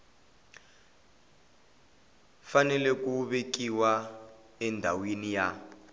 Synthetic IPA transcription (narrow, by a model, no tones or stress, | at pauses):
fanɛlɛkuβek̬iwa | ɛndʱa̰winija